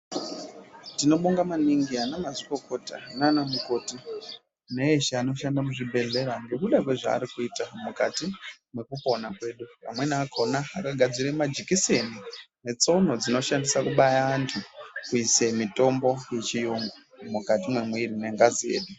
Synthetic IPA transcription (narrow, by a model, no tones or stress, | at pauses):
tino̞ɓoŋɡamaniŋɡianamaziko̞ko̞ta̰nanamuko̞ːti | neeʃaano̞ʃandamuʐibʱe̞ɮe̞ɾanɡekuɗakwe̞ʐa̰ːɾikuitamukati | mwe̞kupo̞nakwe̞ːɗupa̰mwe̞naːkʰonaakaɡʱad͡ziɾemad͡ʒikise̞nine̞t͡son̤o̞d͡zino̞ʃandisakuɓajaːntʰukuisemito̞mbo̞jet͡ʃijoŋɡo | mukatimwemweirine̞ŋɡazie̞̰ːɗu